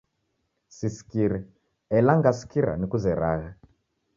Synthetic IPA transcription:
sisi̥kiɾɛ | ɛlaŋɡasi̥kiɾa̰nikuzɛɾaːɣa

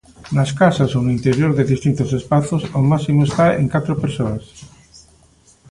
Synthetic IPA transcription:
naskasasonʊint̪eɾjoɾðeðist̪int̪ʊsespaθʊsomasimoest̪aḛŋkat̪ɾopeɾsoas

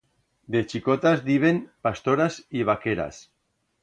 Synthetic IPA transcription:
d̪et͡ʃikot̪azd̪iβenpast̪oɾaziβ̞akeɾa̰s

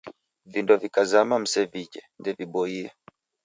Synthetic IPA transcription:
vindɔvikazamam̩sɛvid͡ʒɛndɛviɓɔiɛ

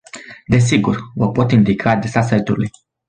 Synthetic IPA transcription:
d̪e̞s̬iɡurvəpo̞t̪ind̪ikʰaːd̪ɾesasajt̪uluj

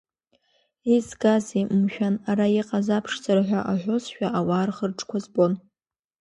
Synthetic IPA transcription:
izɡazemmʃᶣanaɾaiqʼazapʰʂt͡saraħʷᶣaʔaħʷozʃᶣaʔawaːrχərʈ͡ʂʼkʷazbo̞n

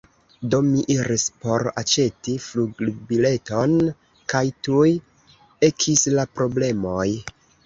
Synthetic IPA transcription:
do̞miʔiɾispo̞ɾa̰t͡ʃe̞tifluɡluɡbile̞to̞n | kajtuj | e̞kʰislapɾo̞ble̞mo̞j

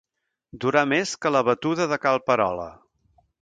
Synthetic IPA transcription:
d̪uɾameskələβ̞ət̪uðəðəkalˠpəɾɔ̰lə̰

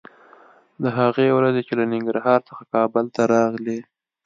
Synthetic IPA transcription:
d̪əɦaɣewɾazet͡ʃelanɪŋɡɾɦɑɾt͡sə̥xakɑbəlt̪aɾɑɣle

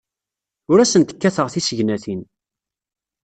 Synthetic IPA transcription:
ʊɾæsənt̪ə̥kːæθəʁθisəʝnæθin

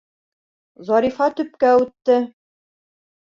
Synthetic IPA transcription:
zɑɾifɑt̪ɵ̆p̚kæʉt̪ːɘ

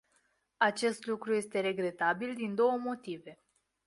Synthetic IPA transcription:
at͡ʃe̞st̪lukɾuje̞st̪e̞ɾe̞ɡɾe̞t̪abild̪ind̪o̞wəmo̞t̪ive̞

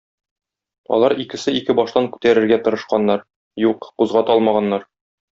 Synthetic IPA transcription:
ɒ̰lˠɑɾikɘ̆sɘikɘbɒʃt̪ɑŋkʉ̥t̪æɾɘ̆ɾɡæt̪ɤ̆ɾɤ̆ʃqɑnːɑɾ | juqquzʁɑt̪ɒlˠmɑʁɑnːɑɾ

